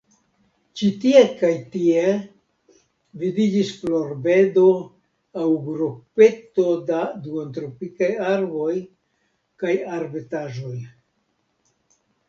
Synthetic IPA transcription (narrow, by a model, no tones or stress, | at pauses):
t͡ʃitie̞kajtie̞ | vidid͡ʒisflo̞ɾbe̞do̞ | awɡɾope̞to̞daduontɾopikajaɾbo̞j | kajaɾbetaʒo̞j